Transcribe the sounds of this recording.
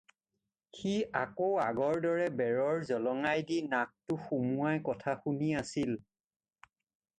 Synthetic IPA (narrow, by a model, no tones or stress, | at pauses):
xia̰koaɡɔɹdɔɹɛbɛɹɔɹzɔlɔŋajdinak̚tʊxumuajkɔtʰaxuniasil